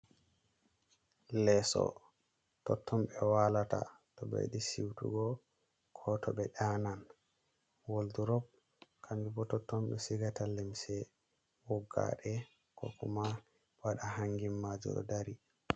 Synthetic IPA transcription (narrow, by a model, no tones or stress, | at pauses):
lɛsɔ̰ | tɔtʰːɔmɓɛwalata̰ | tɔbḛɗisiwtṵɡɔ | kʰɔtʰɔɓɛɗanan | wolduɾɔb̚ | kʰambibɔtɔtːɔmɓɛsiɡatalimsɛ | wɔɡːa̰ɗɛ | kɔkuma | waɗaɦaŋɡimːad͡ʒṵɗɔ̰daɾi